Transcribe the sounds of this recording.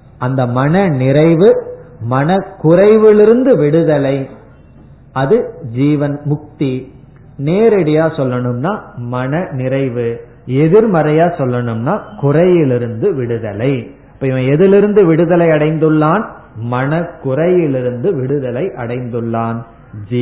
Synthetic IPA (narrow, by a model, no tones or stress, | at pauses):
ʔɐnd̪ɐmɐnɐnɪɾɐɪʋɯmɐnɐkʊrɐɪʋɪlɪɾɯnd̪ɯʋɪɽɯðɐlɐɪ | ɐðɯd͡ʒiːʋɐnmʊk̚t̪i | neːɾɛɽɪjaːsɔlːɐɳɯmnaːmɐnɐnɪɾɐɪʋɯ | ɛðɪɾmɐɾɐjaːsɔlːɐɳɯmnaːkʊrɐjɪlɪɾɯnd̪ɯʋɪɽɯðɐlɐɪ | ɪpːɐːɪʋɐ̃ɛðɪlɪɾɯnd̪ɯʋɪɽɯðɐlɐɪɐɽɐɪnd̪ɯɭːaːn | mɐnɐkʊrɐjɪlɪɾɯnd̪ɯʋɪɽɯðɐlɐɪʔɐ̰ɽɐɪnd̪ɯɭːaːn | d͡ʒ